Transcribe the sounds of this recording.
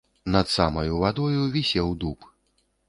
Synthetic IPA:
nɐt̪samɐjuvad̪ɔjuvʲisʲɛwd̪up

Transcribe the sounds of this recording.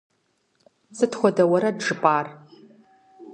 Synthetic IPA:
zɨtχʷɔdɐwɐɾɐdʐɨpʼaːr

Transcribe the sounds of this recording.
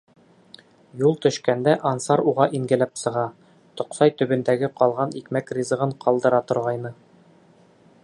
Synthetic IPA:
julˠt̪ɵ̆ʃkænd̪æʔɒnsɑɾuʁɑʔiŋɡɘ̆læpsɤ̆ʁɑ | t̪ŏqsɑjt̪ɵ̆bɵ̆nd̪æɡɘqɒlˠʁɑnikmækrʲizɤ̆ʁɤɴqʰɒlˠd̪ɤ̆ɾɑt̪ŏɾʁɑjnɤ

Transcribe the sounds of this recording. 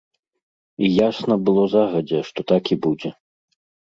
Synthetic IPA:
ijasnɐbɨlˠɔzaɣɐd͡zʲɛʂt̪ɔt̪akʲibud͡zʲɛ

